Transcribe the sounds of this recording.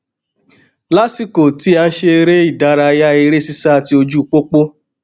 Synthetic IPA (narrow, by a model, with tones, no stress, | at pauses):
la˦si˦ko˨ti˧˦a˧˦ʃe˧e˧ɾe˦i˦˨da˧˦ɾa˧ja˦e˧ɾe˦si˦sa˦a˧ti˧o˧d͡ʒu˦˨k͡po˦k͡po˦